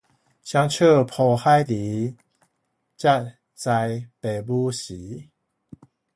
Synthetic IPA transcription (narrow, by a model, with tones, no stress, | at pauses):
ɕja˧ŋt͡ɕʰə˥˧˨pʰo˧˩ha˥˦jli˨˦ | t͡ɕja˥˧˩t̚ | t͡sa˧jpe˨˩bu˦ɕi˨˦